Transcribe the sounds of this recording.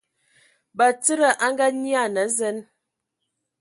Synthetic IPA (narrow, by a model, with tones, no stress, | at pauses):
ba˨t͡sə˦ɾə˨ʔa˦ŋɡa˦ni˦a˦˨nə˨˦zɛ˦n